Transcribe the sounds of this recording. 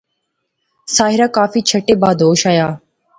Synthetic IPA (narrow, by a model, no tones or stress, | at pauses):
saːɦɪɾaːkaːfiːt͡ʃʰəʈeːbaːd̪ʱoːʃaːjaː